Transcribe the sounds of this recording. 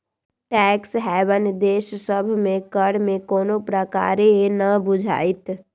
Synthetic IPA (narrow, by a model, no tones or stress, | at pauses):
ʈɛːksɦɛːʋənd̪eːʃsəbʱmẽkəɽmẽkoːnopɾəka̰ːɾeenəbʊd͡ʒʱa̰ːɪt̪